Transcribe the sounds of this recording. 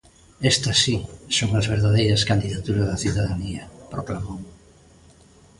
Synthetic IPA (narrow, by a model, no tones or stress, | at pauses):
ɛst̪ɐsisoŋazβeɾðaðejɾɐskand̪iðat̪uɾɐzðɐθiðaðaniɐpɾoklamoŋ